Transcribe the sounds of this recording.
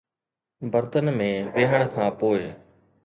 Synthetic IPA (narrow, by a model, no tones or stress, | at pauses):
bəɾt̪ənmẽːbeːɦəɽ̃kʰãːpoːɪ